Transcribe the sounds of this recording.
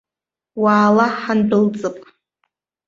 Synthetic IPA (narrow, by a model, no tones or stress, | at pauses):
waːlaħanbɨlt͡sʼɨpʼ